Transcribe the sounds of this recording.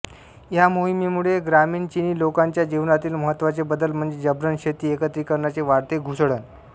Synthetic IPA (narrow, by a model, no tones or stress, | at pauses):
jamoɦimemuɭeɡɾamiːɳt͡ɕiniːlokaɲt͡ɕjad͡ʑiʋnat̪iːlməɦət̪ːʋat͡sebəd̪əlm̤əɳd͡zed͡ʑəbɾənɕet̪iːekət̪ɾiːkəɾɳjat͡seʋaɾt̪eɡʱusɽən